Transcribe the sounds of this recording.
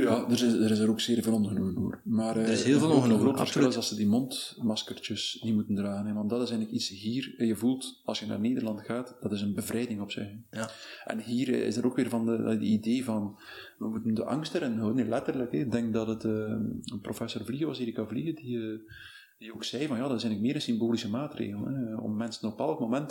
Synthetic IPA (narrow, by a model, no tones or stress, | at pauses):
jaːdəəɾɪzəɾoːkseːrveːlˠɔnɣənuməno̰ːrmaːrəelˠvlɣroːtfərsxɪlˠɪzɑlˠsədimɔntmɑskərt͡ʃəsnimutəndraːɣənɛʋɑndɑtɪzɛjnləkitsɦiːrjəvulˠtɑlˠsjəna̰ːrneːdərlɑntxaːtd̥ɑtɪzənbəvɾɛjdɪŋɔpsɪ̰x | ʔɛ̰nɦiːrɪ̰zdəɾoːkʋɪːrvɑndədə̰ideːvɑn | ʋəmutəndəʔɑ̰ŋstəɾɪnɦɔwdənlɛtərləkɛɪɡ̚dɛŋk̚dɑtətəːəprofɛsorvliɣəwɑsiːɾɪkːavliɣədiə | dioːksɛjvɑnjaːdɑtɪsɛjŋnləkmɪːɾənsimboːlisəmaːtrḛːɣəlˠənɛɔ̰mmɛnsənɔpɛlˠəkmomɛnt